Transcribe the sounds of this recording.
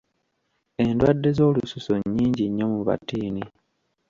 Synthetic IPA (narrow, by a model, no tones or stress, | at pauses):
e̞ndwadːe̞zo̞ːlususoɲːiːɲɟiɲːomuβa̰tiːni